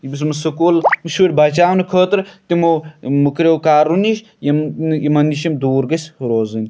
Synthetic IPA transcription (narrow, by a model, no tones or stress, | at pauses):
jibis̬mɨsɐkulmɨʃəɾʲbaːt͡ʃaːʋwnɨkʰəːt̪ɾt̪imomukɾʲewkaːɾuniʃ | jɐmnjimɐniʃimd̪uːɾɡɐsʲhɾoːzɨnʲ